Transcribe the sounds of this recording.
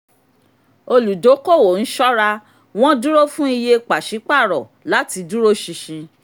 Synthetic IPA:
o˧lu˨do˨˦ko˦˨wo˨n̩˦ʃɔ˦ɾa˧ | w̃ɔ̃˦du˦ɾo˦fũ˦i˧je˧k͡pa˨ʃi˨˦k͡pa˦˨ɾɔ˨ | la˨˦ti˧du˦ɾo˦ʃi˧ʃĩ˧

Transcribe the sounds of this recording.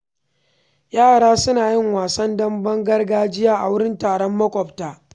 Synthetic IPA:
jaː˦˨ɽaː˦sʊ˦naː˨jɪ˦ŋwaː˨sɐ˦ndɐ˦mbɐ˦ŋɡɐ˦rɡaː˦d͡ʒɪ˦jaː˦ʔa˨wʊ˦ɽɪ˦ntaː˨ɽɔ˦mːɐ˦kʷʼɔ˨ptaː˨

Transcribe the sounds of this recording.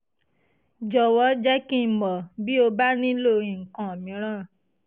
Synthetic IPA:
d͡ʒɔ˨wɔ˨˦d͡ʒɛ˦kĩ˦˨mɔ˨bi˦o˧ba˦nĩ˦lo˦˨ĩ˨ŋ̩˨kã˨o˨mĩ˨˦ɾ̃ã˦˨

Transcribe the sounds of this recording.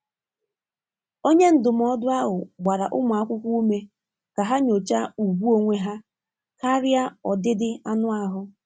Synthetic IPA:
o˦ɲe˦n̩˦dʊ˨m̩˨ɔ˦dʊ˦a˦ɦʊ˨ɡ͡ba˨ɾa˨ʔʊ˦mʊ˨a˦kʷʊ˦kʷu˦u˦me˦ | ka˨ɦa˦ɲo˨t͡ʃa˦u˨ɡʷu˦o˦ŋʷe˦ɦa˦ | ka˦ɾja˦ɔ˨dɪ˦dɪ˦a˦nʊ˦a˦ɦʊ˦

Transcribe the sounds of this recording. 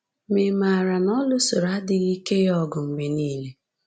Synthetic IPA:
me˨ma˨ɾa˨nɔ˦lʊ˦so˨ɾa˦dɪ˨ɣi˦ke˦jɔ˦ɡʊ˨m̩˨me˨niː˦le˦

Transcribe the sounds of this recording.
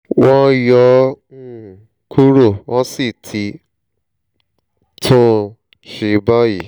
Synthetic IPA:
wɔ̃˦jɔ̃˧˦˨ | ku˦ɾo˦˨wɔ̃˦si˦˨tʰi˧˦ | tʰõ˦ | ʃi˧˦ba˦ji˨

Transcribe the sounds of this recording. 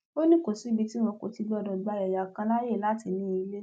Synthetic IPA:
o˦nĩ˦ko˨si˨˦bi˨˧ti˦w̃ɔ̃˧ko˨ti˧ɡ͡bɔ˧dɔ˨ɡ͡ba˧˦ɛ˨ja˨kã˧la˦je˦˨la˨˦ti˨˦nĩ˨˦i˧le˦

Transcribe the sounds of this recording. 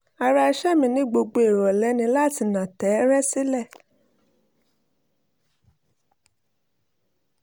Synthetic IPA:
a˧ɾa˧ʃɛ˦mĩ˧˦nĩ˦ɡ͡bo˧ɡ͡bo˧e˨ɾɔ˨lɛ˨˦nĩ˧˦la˦˨ti˧nã˨tɛ˨˦ɾɛ˦si˦lɛ˦˨

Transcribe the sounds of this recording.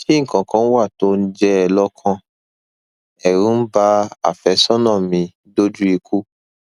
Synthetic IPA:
ti˦ŋ̩˨kã˨kã˨˦n̩˦wa˦˨to˦n̩˦d͡ʒɛ˦ɛ˧lɔ˦kʰã˧ | ɛ˨ɾũ˨˦n̩˦ba˦a̰˨fɛ˨˦sɔ˦nã˦˨mĩ˧ | do˦d͡ʒu˦i˧kʰu˦

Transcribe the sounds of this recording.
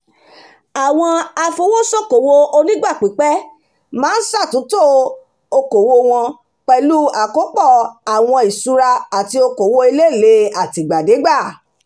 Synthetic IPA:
a˨w̃ɔ̃˧a˧fo˧wo˦sɔ˦ko˨wo˧o˧nĩ˦ɡ͡ba˦˨k͡pi˨˦k͡pɛ˦ | mãː˦n̩˦sa˦˨tũ˨˦to˦˨ | o˧ko˨wo˧w̃ɔ̃˧ | k͡pɛ˧lu˦a˨ko˨˦k͡pɔ˦˨a˨w̃ɔ̃˧i˨su˧ɾa˧a˨ti˧o˧ko˨wo˧i˧le˦˨le˨˦a˨ti˧˨ɡ͡ba˨de˨˦ɡ͡ba˦˨

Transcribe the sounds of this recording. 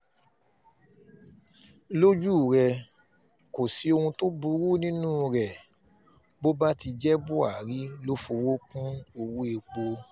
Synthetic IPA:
lo˦d͡ʒu˦˨ɾɛ˧ | ko˨si˨˦o˧hũ˧to˦bu˧˦ɾu˦˨nĩ˦nũː˦˨˧ɾɛ˨ | bo˦ba˦ti˧d͡ʒɛ˦bu˦a˨ɾi˦lo˦fo˧wo˦kũ˦o˧wu˦e˧k͡po˧

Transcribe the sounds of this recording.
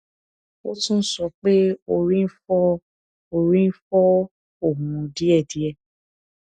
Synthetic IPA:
o˦tũ˦n̩˦sɔ˧k͡pe˦o˧ɾĩ˦n̩˦fɔ˦ | o˧ɾĩ˦n̩˦fɔ˦ | o˦˨mũ˨˧di˦ɛ˦˨di˨˦ɛ˦˨

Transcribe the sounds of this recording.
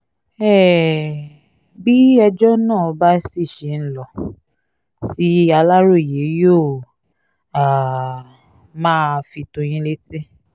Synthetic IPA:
ɛ˦˨ | bi˦ɛ˧d͡ʒɔ˦nã˦˨ɔ˧ba˦si˦˨ʃe˨n̩˦lɔ˨ | si˨˦a˧la˦ɾo˦˨i˨je˨˦jo˦˨ | a˨ | mãː˦fi˧tõ˧j̃ĩ˧le˦ti˦

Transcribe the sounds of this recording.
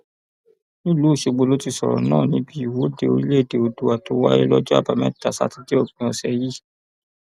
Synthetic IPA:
nĩ˦lu˨˦˨ʃe˨˧ɡ͡bo˧lo˦ti˦˧sɔ˨ɾɔ̰˨nã̰ː˦˨nĩ˨˦bi˦i˦˨wo˦de˧˨o˧ɾi˦le˦˨de˨o˧du˨a˨to˨˦wa̰˦ɾe˦lɔ˦d͡ʒɔ˦a̰˦˨ba˨mɛ̰̃˦˨ta˨sa̰˦ti˧d͡ʒe˦ɔ˦˨ɡ͡bĩ˨˦ɔ˧sɛ˧ji˦˨

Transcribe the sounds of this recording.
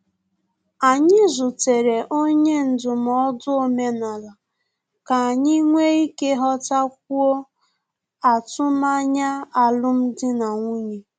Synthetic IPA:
a˨ɲɪ˦zʊ˨te˨ɾe˨ʔo˦ɲe˦n̩˨dʊ˨m̩˨ɔ˦dʊ˦o˦me˦na˨la˨ | ka˨a˨ɲi˦ŋʷe˦i˦ke˦ɦɔ˦ta˦k̚ʷu˦o˦ | a˨tʊ˦ma˦ɲa˦a˨lʊ˦m̩˦dɪ˦na˨ŋʷu˦ɲe˨

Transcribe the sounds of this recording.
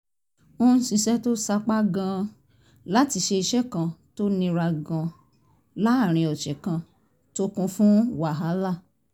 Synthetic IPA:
o˦n̩˦sĩ˧ʃɛ˦to˦sa˦k͡pa˦ɡã˧ | la˦ti˧ʃe˧i˧ʃɛ˦kã˧to˦nĩ˧ɾa˧ɡã˧ | la˦a˦˨ɾ̃ĩ˧ɔ˨t͡ʃɛ˨kã˧ | to˦kũ˧fũ˦wa˨ɦa˨˦la˦˨

